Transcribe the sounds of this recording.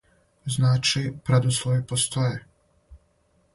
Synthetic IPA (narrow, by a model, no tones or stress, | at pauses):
znaːt͡ʃipɾad̪oslˠoʋipost̪oje